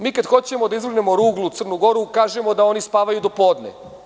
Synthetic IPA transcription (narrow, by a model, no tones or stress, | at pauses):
miːkad̪xo̞t͡ɕe̞mo̞d̪aizʋɾr̩ɡnemo̞ɾuːɡlˠut̪sr̩nuɡo̞ɾukaːʒemo̞d̪ao̞nispaːʋajud̪o̞po̞ːd̪nḛ